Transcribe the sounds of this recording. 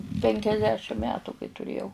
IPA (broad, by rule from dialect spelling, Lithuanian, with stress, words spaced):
pʲɛŋʲkʲɛzʲˈdʲæːʃʲɪm ˈmʲæːtʊ kɐɪ tʊˈrʲeːjɛʊ